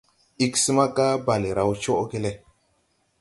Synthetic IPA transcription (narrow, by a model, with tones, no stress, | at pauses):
i˦ksi˦ma˦ka˦ba˨li˨ɾa˨wt͡ʃo˦ke˦le˦